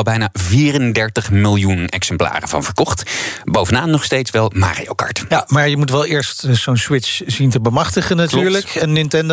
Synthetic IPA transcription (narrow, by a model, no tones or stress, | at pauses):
lˠbɛjnaːviːrəndɛɹtəχmɪlˠjunɛ̰ksɛmpla̰ːrəvɑ̰nv̥əɹkɔχtbowvənaːnnːɔχstejtsʋɛlˠma̰ːrḭo̰kɑ̰ɹtamaːɹjəmutʋɛlˠɪːɹstz̥ownswɪsz̥intəbəmɑχtəχənatyːɹləkɛnːɪntɛnd